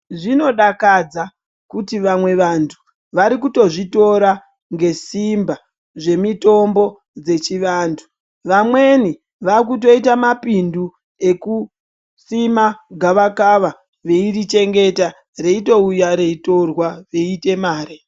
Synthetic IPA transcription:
ʐino̞ɗakad͡za | kutiʋamwe̞ʋantʰu | ʋaɾikuto̞ʐito̞ɾa | ŋɡe̞simba | ʐe̞mito̞mbo̞ | d͡ze̞t͡ʃiʋaːntʰu | ʋamwe̞ni | ʋak̬uto̞itamapindu | e̞ku | simaɡʱaʋakaʋa | ʋe̞irit͡ʃe̞ŋɡe̞ta | re̞ito̞ujaɾe̞ito̞rwaʋe̞ite̞maːɾi

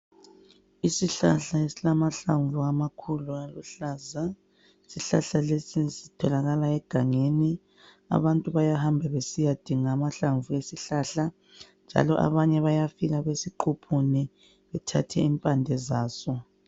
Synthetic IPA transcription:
isiɬa̰ɬaesilamaɬaɱvuamakʰulualṵɬaːza | isiɬaɬalesisitʰɔlaɣalaɛɡ̥ʱaŋeni | a̰βantʼuβajahambʱɛβesijad̥ʱiŋaːmaɬaɱvuesiɬaɬa | nd͡ʒʱa̰lɔʔa̰βaɲɛβajafiɣaβesiǃʰupʰuni | βɛtʰa̰tʰɛimpʼandʱɛzaːsɔ

